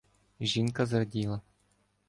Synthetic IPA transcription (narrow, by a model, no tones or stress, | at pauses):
ʒiŋkazrdʲilˠa